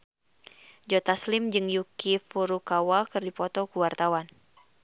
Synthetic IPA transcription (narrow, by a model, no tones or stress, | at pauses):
d͡ʒɔt̪aslɪmd͡ʒɨŋjukifuɾukawakɨrdipɔt̪ɔkuwart̪awan